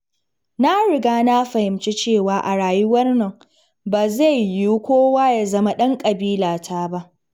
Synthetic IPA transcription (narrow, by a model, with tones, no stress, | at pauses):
na˦ɽɪ˨ɡaː˦na˦ɸɐ˨hɪ˨mt͡ʃi˦t͡ʃeː˦˨waː˨ʔa˨ɽaː˨ju˦wɐ˦rnɐ˨ŋ | baː˨za˦˨jːu˦kʷoː˦waː˦ja˨zɐ˦ma˦ɗɐ˦ŋkʼɐ˨biː˦laː˨tʰaː˦ba˦ʔ